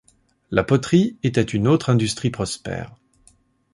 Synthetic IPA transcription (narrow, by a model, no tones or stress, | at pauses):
lapɔt̪χiet̪ɛt̪ynot̪χɛ̃d̪yst̪χipχɔspɛ̰ːʁ